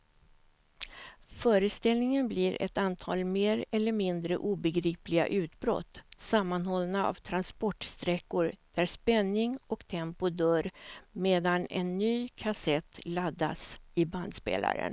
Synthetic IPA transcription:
fœːɾəst̪ɛlnɪŋənbliɾʔɛ̰t̪ant̪ʰɑ̰ːlmeːɾɛlːəɾmɪnd̪ɾə̰ʔuːbɛɡɾiːplɪɡa̰ʔʉ̟ːt̪bɾɔ̰t̪ːsamːanhɔlnaa̰vt̪ʰɾanspɔʈst̪ɾɛkːʊɾd̪̥æɾʂpɛnːɪŋɔkt̪ʰɛmpʊd̪œːɾmeːd̪anɛ̰nːyːkʰasɛt̪ːlad̪ːa̰sɪband̪spḛːla̰ɾə̰n

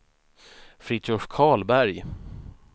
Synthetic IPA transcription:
fɾɪɕʊʂkʰɑːlbæɾj

